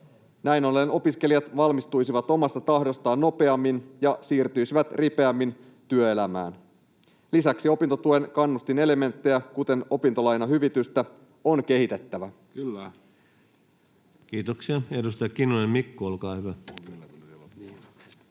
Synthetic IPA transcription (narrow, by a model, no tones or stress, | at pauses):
næjnoleno̞piske̞lijɑt̪ʋɑlmist̪ujsiʋɑt̪o̞mɑst̪ɑt̪ɑhdo̞st̪ɑːnːo̞pe̞ɑmːinjɑsiːrt̪yjsiʋæt̪rʔipe̞æmːin | t̪yø̞e̞læmæ̰ːn | lisæksio̞pint̪ot̪ue̞nkɑnːust̪ine̞leme̞nt̪ːe̞jækut̪e̞no̞pint̪o̞lɑjnɑɦyʋit̪yst̪æ | o̞nk̟e̞ɦit̪e̞t̪ːæʋæ | kiːt̪oksiɑedust̪ɑjɑkinːunemmikːuolkɑːhyʋæ